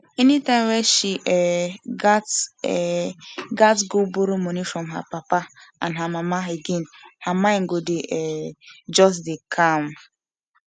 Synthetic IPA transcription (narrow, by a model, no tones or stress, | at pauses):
enitãɪmwɛʃiʔɛɡat | ɡatɡoboɾomɔnifɾɔmɦa̰papaã̰nɦamamaeɡenhamãŋ̩ɡodeʔɛd͡ʒɔs̬dekʰam